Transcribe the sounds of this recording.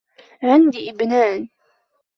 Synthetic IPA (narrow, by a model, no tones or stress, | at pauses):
ʕɪnd̪iʔɪbnaːn